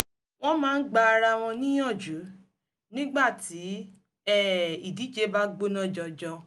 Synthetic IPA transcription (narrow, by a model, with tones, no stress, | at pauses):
w̃ɔ̃˦mãː˦˧˦n̩˦ɡ͡ba˧ɾa˧w̃ɔ̃˧nĩ˦j̃ɔ̃˦˨d͡ʒu˨˦ | nĩ˦ɡ͡ba˦˨ti˨˦ | ɛ˦˨i˨di˨˦t͡ʃe˧˦ba˦ɡ͡bo˦nɔ̃˦d͡ʒɔ˧d͡ʒɔ˧